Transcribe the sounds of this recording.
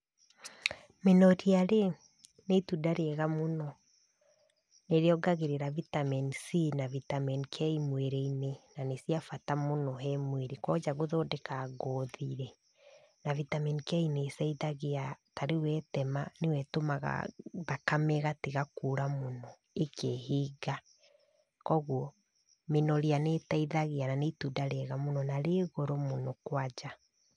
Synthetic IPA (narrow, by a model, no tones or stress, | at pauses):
menɔɾiaɾe | netudaɾeɛɣamonɔ | neɾeɔɡaɣeɾeɾavitamɛnisinavitamɛnikʰɛimweɾeinenanesiafatamonɔɦɛmweɾekɔd͡ʒaɣoðɔːdekaːɣɔːðiɾɛ | navitaminikɛinesɛiðaɣeataɾewɛtɛmanewɛtomaɣa̰ðakamɛɣateɣakuɾamonɔ | ekʰeɦiːɡa | kɔɣwɔ | menɔɾeanetaiðaɣeananetudaɾɛɣamonɔnaɾeːɣɔɾɔmonɔkwad͡ʒa